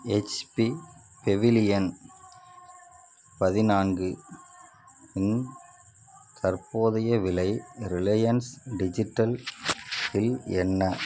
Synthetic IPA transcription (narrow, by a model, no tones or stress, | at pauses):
ɛt͡ʃpi | pɛʋɪlɪjɐn | pɐðɪnaːnɡɯ | ɪn | kʰɐɾpoːðɐjɐʋɪlɐɪɾɪlɐjɐnsɖɪd͡ʒɪʈːɐl | fɪlɛnːɐ